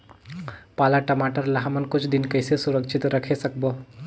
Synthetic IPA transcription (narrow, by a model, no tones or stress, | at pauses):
paːlaʈəmaːʈəɾlɐɦmənkʊt͡ʃʰd̪ɪnkɐɪsesʊɾəkʃʰɪt̪ɾɐkʰesɐk̚boː